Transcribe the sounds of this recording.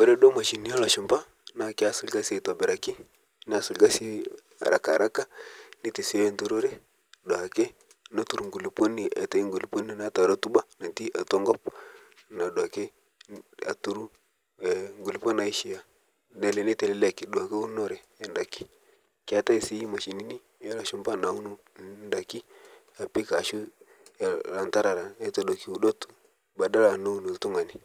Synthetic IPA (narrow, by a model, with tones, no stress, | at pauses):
bo˦ɾe˦ɗo˦ma˨ʃi˨ni˦o˦lo˨ʃi˨mba˦ | na˦˨kʲa˦su˨lɡa˦si˦e˨to˨bɛ˨ɾa˨ki˦ | n˦a˨su˨lɡa˦si˦ | a̰˨ɾʔa̰˨ka̰˨ɾʔa˦ka˦ni˦ti˨si˦e˦ntu˦ɾo˦ɾe˦ | ɗo˨a˨ke˦ | na˦tu˨ɾu˨ŋɡu˨li˨po˦ni˨ʔḛ˨ta˨˦i˦ŋɡu˨li˨po˦ni˦˨na˦ta˨ɾo˦tu˦ba˦na˨nti˦ʔa˨to˦ŋɡɔ˦p̚ | na˨ɗa˨ke˦ | a̰˨tu˦ɾu˦˨ | ŋɡu˨li˨po˦na˨i˦ʃi˨ja˦ | ne˨le˨ne˦te˨le˨˦le˦ki˨du˨a˨ke˦u˦no˦˨ɾɛː˨nda˨ki̥˦ | ka˦ta˦i˨si˦ji˦ma˨ʃi˨ni˦ni˦a˦la˨ʃu˦mba˦˨na˨u˦nu˦nda˨ki˦ | a˨pi˦ka˨ʃu˦˨ | ɾa˨nta˦ɾa˨ɾa˨e˦to˨do˨ki˦u˨do˦t | ba˨da˦la˨na˦u˦˨nu˨tu˦ŋa˨ni˦